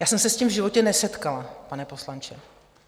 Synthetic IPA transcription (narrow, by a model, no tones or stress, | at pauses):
jaːsɛmsɛscimvʒɪvo̞cɛnɛsɛt̪kalapanɛpo̞slant͡ʃɛ